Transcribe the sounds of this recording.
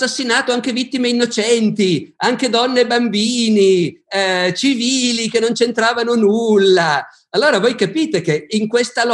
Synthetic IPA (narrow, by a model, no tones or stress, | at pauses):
sːasːinaːt̪oaŋk̟evit̪ːimeinːot͡ʃɛnt̪iaŋk̟ed̪ɔnːebambiːni | t͡ʃiviːlik̟enːont͡ʃent̪ɾaːvanonulːa | alːoːɾavojkapiːt̪ekeiŋkwest̪al